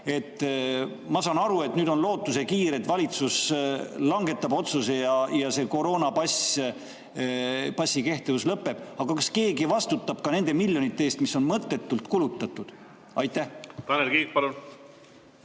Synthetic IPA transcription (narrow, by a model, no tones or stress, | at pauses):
e̞t̪ːˑ | mɑsɑːnɑɾue̞t̪nyːd̪o̞nlo̞ːt̪ːˑuse̞kiːɾet̪vɑlit̪suslɑŋɡe̞t̪ːˑɑbo̞t̪susejɑjɑse̞ko̞ɾo̞ːnɑpɑs | pɑsʲːike̞ht̪evuslɤpːe̞b̥ɑɡ̥ɑkɑske̞ːɡivɑst̪ut̪ːˑɑb̥kɑne̞nd̪̥e̞milʲjonit̪ːˑeeːst̪miso̞nmɤt̪ːe̞t̪ːˑult̪kulut̪ˑːɑt̪ːˑud̪̥ | ɑjt̪ːˑæht̪ɑnelkiːk̚pɑlun